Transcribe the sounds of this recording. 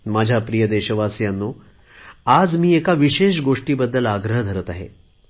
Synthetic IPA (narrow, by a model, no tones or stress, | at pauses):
mad͡ʑʱjapɾijəd̪eɕəʋasjanːo | ad͡zmiːekaʋiɕeɕɡoʂʈiːbəd̪ʱːəlaɡɾəɦəd̪ʱəɾət̪aɦḛ